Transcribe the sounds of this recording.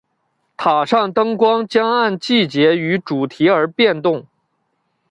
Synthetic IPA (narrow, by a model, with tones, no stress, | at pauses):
t̪ʰa˨˩ʂa˥˩ŋt̪ɤ˥ŋkwɑ˥ŋt͡ɕjɑ˥ŋa˥˧nt͡ɕi˥˩t͡ɕjɛ˧˥y˧˥ʈ͡ʂu˨˩t̪ʰi˧˥ə˞˧˥pjɛ˥˧nt̪ʊ˥˩ŋ